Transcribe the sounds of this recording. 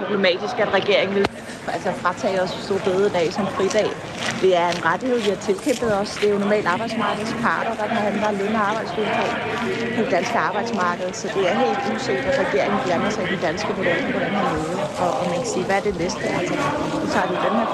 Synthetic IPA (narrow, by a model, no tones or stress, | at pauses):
pʰʁob̥le̝mɛ̰ːd̥isɡ̥ædʁɛɡ̥e̝ɐ̰e̝ŋʋi | ælsɒfʁɑ̈t͡sʰɛ̰ːɪɒ̽ssd̥o̝̰ɐ̰b̥eðˠəd̥ɛ̰ːsɒ̽mfʁid̥ɛ̰ːɪ | d̥e̝æɐenʁad̥ihe̝ð̞̰ˠʋihɑ̈t͡sʰe̝lkʰem̰b̥ð̩ˠɒ̽sd̥e̝jo̝nɒmɛ̰ːld̥ɑ̈ːb̥ɑ̈ɪd̥smɑ̈ːɡ̥ð̞̩ˠspʰɑ̈ːd̥ɐd̥ɑ̈pʰehænd̥lɐleŋɐɑb̥ɑ̈ɪ̰d̥sɡ̥ulfʰɒ | pʰɒ̽d̥e̝d̥ænsɡ̥əɑ̈ːb̥ɑ̈ɪd̥smɑ̈ːɡ̥əð̞̩ˠsɒ̽d̥e̝æɐɦe̝̰ːld̥useɡd̥æ̥ʁɛɡ̥e̝̰ɐ̰e̝ŋn̩fjæɐnɐsɑ̈id̥id̥ænsɡ̥əb̥ʰod̥oɡ̥ɐʋɒɾ̥ænhɑmøð̩ˠɒ̽ɒmænkʰæsiːʋææɐd̥e̝lesd̥eælsɐ | sɒt͡sʰɑ̰̈d̥id̥enheɐ̰